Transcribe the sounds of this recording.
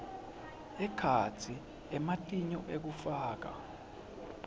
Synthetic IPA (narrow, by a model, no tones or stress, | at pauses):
ɛkʰat͡sʰi | ɛmatʼiɲɔʔek̬ufaːk̬a̰